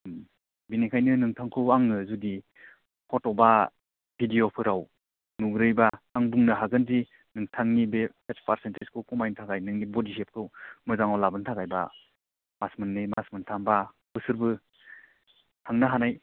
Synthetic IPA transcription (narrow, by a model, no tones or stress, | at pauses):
binikʰajnɯnɯŋtʰaŋkʰɯaŋɯzudi | hʰɔtɔba | bʰʱidijopʰɯɾaw | nuŋɾɯjbaaŋbuŋnɯɦaɡɯndi | nɯŋtʰaŋnibepetpaɾsenteskʰukɔmajntʰakajnɯŋnibɔdisep̚kʰɯmɯzaŋawlabɯntʰakajba̰ | masmɯnːɯmasmɯntʰamba | pɯsɯɾbɯ | tʰaŋnaɦanaj